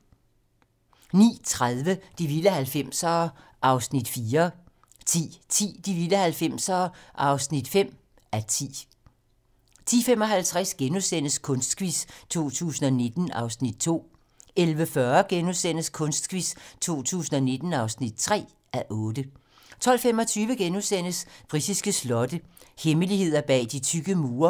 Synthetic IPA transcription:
nḭːt͡sʰʁaðˠʋəd̥iʋiləhælfem̰sɒː | ʔɑ̈ʊsnid̥fiːɐ | t͡sʰḭːt͡sʰḭːd̥iʋiləhælfem̰sɒːʔɑ̈ʊsnid̥fem̰ | ʔæt͡sʰḭː | t͡sʰḭːfem̰ɒ̽ɦælt͡sʰʁasɡ̥enusen̰əskʰɔ̽nsd̥sɡ̥ʋist͡sʰo̝̰ːt͡sʰṵːsn̩ɒ̽ne̝d̥n̩ɑ̈ʊsnid̥̚t͡sʰo̝̰ː | elʋəfɶɐɡ̥enusen̰əskʰɔ̽nsd̥sɡ̥ʋist͡sʰo̝̰ːt͡sʰṵːsn̩ɒ̽ne̝d̥n̩ɑ̈ʊsnid̥̚t͡sʰʁɛ̰ː | ʔæʔɔ̽ːd̥ə | t͡sʰɒ̽l̰femɒ̽t͡sʰyːʋəɡ̥enusen̰əsb̥ʁisisɡ̥əslɒ̽d̥əheməlihe̝ð̞̰ˠɐb̥ɛ̰ːd̥it͡sʰyɡ̥əmuːɐ

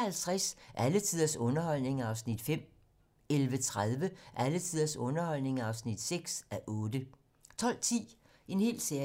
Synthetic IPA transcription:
hælt͡sʰʁasʔælət͡sʰið̰ˠɐsɔ̽nɐhɒ̽l̰ne̝ŋɑ̈ʊsnid̥fem̰ | elʋət͡sʰʁaðˠʋəʔælət͡sʰið̰ˠɐsɔ̽nɐhɒ̽l̰ne̝ŋɑ̈ʊsnid̥seɡ̥sæʔɔ̽ːd̥ə | t͡sʰɒ̽l̰t͡sʰḭː | e̝nhe̝̰ːlseɐ

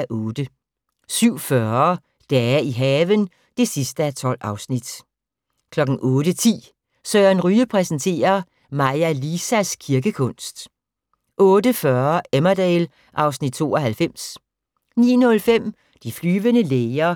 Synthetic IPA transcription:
ʔɔ̽ːd̥ə | syʊ̰fɶɐ | d̥ɛːiɦɛːʋən | d̥e̝sisd̥əæt͡sʰɒ̽l̰ɑ̈ʊsnid̥ | kʰlɒ̽ɡ̥n̩ʔɔ̽ːd̥ət͡sʰḭː | sœːɐnʁyːəpʰʁɛsən̩t͡sʰe̝̰ːɐ | mɑɪælisæskʰiɐɡ̥əkʰɔ̽n̰sd̥ | ʔɔ̽ːdəfɶɐemɐd̥ɛːl | ʔɑ̈ʊsnid̥̚t͡sʰo̝̰ːɒɦælfem̰s | nḭːnɔ̽lfem̰ | d̥iflyːʋənəleɪɐ

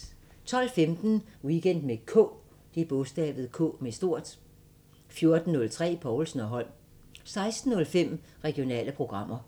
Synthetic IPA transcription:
t͡sʰɒ̽l̰femd̥n̩wiɡ̥en̰d̥mekʰɔ̰ | d̥eb̥ɔ̽sd̥ɛ̰ːʋð̞̩ˠkʰɔ̰ːmesd̥o̝ɐ̰d̥ | fjo̝ɐd̥n̩ːɔ̽lt͡sʰʁɛ̰ːpʰɒʊlsn̩ɒ̽ɦɒ̽l̰m | sɑ̈ɪsd̥n̩ːɔ̽lfem̰ʁɛɡ̥io̝nɛ̰ːləpʰʁo̝ɡ̥ʁɑ̈m̰ɐ

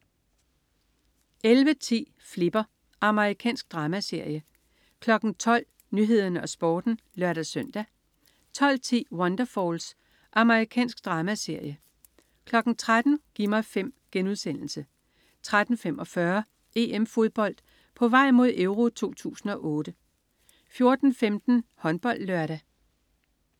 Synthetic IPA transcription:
ʔelʋət͡sʰḭː | fle̝b̥ɐ | ʔɑ̈məʁikʰɛ̰ːnsɡ̥̚d̥ʁɑ̈ːmæse̝ɐ̰jə | kʰlɒ̽ɡ̥n̩t͡sʰɒ̽l̰ | nyɦe̝ð̞̰ˠɐnəɒ̽sb̥ɒːd̥n̩ | lɶɐ̰ɾ̥æsøn̰d̥æ | t͡sʰɒ̽l̰t͡sʰḭːwɒnd̥ɐfɒːls | ʔɑ̈məʁikʰɛ̰ːnsɡ̥̚d̥ʁɑ̈ːmæse̝ɐ̰jə | kʰlɒ̽ɡ̥n̩t͡sʰʁad̥n̩ɡ̥imɑ̈ɪfem̰ɡ̥enuð̞ˠsen̰l̩sə | t͡sʰʁad̥n̩femʔɒ̽fɶɐ | e̝ːemfo̝ð̞ˠb̥ɒ̽l̰d̥ | pʰɒ̽ʋɑ̈ɪ̰mo̝ð̞̰ˠeʊʁo̝t͡sʰo̝̰ːt͡sʰṵːsn̩ɒ̽ʔɔ̽ːɾ̥ə | fjo̝ɐd̥n̩femd̥n̩hɒ̽nb̥ɒ̽l̰d̥lɶɐɾæ

